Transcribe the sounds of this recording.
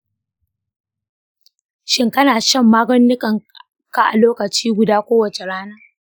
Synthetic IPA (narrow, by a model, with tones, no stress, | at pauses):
ʃɪ˦ŋkɐ˦naː˨ʃɐ˦˨mːaː˦ɡɐ˦nːɪ˦kʼɐ˨ŋ | ka˦ʔa̰˨loː˦kɐ˨t͡ʃiː˦ɡʷʊ˨daː˦kʷoː˦wɐ˨t͡ʃe˨ɽaː˦nɐ˦